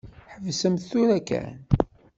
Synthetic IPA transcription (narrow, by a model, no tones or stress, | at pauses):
ħəvsəmθuɾækæ̰n